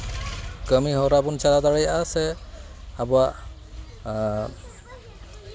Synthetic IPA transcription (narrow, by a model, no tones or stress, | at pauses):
ɡəmiɦɔɾabunt͡ʃalad̪aɹajasɛ | abua